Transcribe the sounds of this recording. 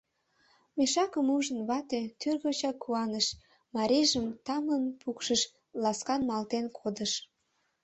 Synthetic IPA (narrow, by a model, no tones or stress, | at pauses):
meʃɑkəmuʒənβɑt̪et̪yrɣot͡ɕɑkuɑnəʃ | mɑɾeʒəmt̪ɑmənpʰukʃəʃ | lɑskɑnmɑlt̪enkʰod̪əʃ